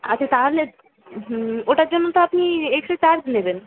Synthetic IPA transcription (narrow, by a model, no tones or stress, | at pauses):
atːt͡ɕʰat̪aɾle | ɦoʈaɾd͡ʑonːot̪oapniekʃet͡ɕaɾd͡ʑneben